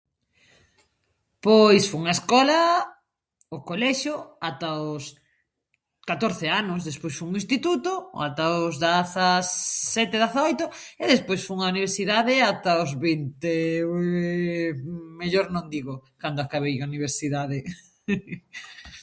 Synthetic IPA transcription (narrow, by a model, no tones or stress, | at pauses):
pojsfoŋɐeskɔlɐ | okolɛʃjoat̪aos | kat̪oɾθeanʊzðespojsfouŋĩnst̪it̪ut̪oat̪aʊzðaθasɛt̪eðaθaojt̪oeðespojsfoŋauniβ̞eɾsiðaðeat̪aozβint̪e | meʎoɾnõnd̪iɣokand̪oakaβejauniβ̞eɾsiðaðe